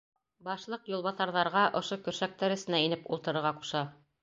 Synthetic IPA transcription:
bɑʃlˠɤqjŭlˠβɑθɑɾðɑɾʁɑʔŏʃokɵ̆ɾʃæk̚t̪æɾɘ̆sɘ̆næinɘpulˠt̪ɤ̆ɾɤ̆ɾʁɑqu̥ʃɑ

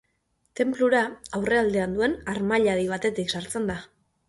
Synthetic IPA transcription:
t̪e̞mpluɾaawre̞ald̪e̞and̪ue̞naɾmaʎaðiβ̞at̪e̞t̪iksaɾt͡se̞nd̪a

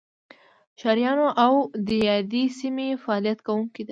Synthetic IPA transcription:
ʃɑɾijɑnoʔawd̪əjɑd̪esimefaːlijat̪kawuŋkid̪a

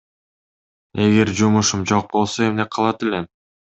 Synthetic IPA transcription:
e̞ɡe̞ɾd͡ʒumuʃumd͡ʒo̞q̚bo̞lˠsoe̞mne̞qʰɑlˠɑt̪elen

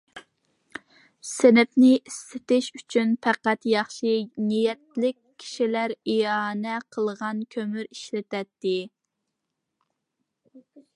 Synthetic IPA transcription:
sɪnɪpnɪʔist̪ɪt̪ɪʃyt͡ʃʰynpʰæqæt̪jɑχʃɨnijɛt̪̚lɪkʲʰːi̥ʃilæɾiɑːnɛqʰəlˠʁɑnkʲʰømyɾiʃlɪt̪ɛt̪ːɪ

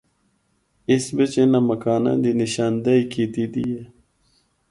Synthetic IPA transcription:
ɪsbet͡ʃenaməkaːnã̰ːd̪iːnɪʃaːnd̪aiːkiːt̪iːd̪ije

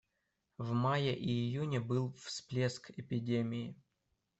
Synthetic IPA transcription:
vmajəʔiɪjunʲəbɨlˠfsplʲeskɪpʲɪdʲemʲɪɪ

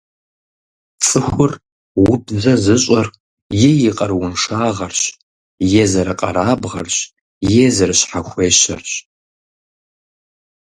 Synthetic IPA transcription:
t͡sʼɨxʷʊr | wʊbzɐzɨɕʼɐr | jejiqʼɐrwʊnʂaːʁɐrɕ | jeːzɐɾɐqʼɐ̰ɾaːbʁɐ̰rɕ | jeːzɐrɨɕħaxʷeːɕɐ̰rɕ

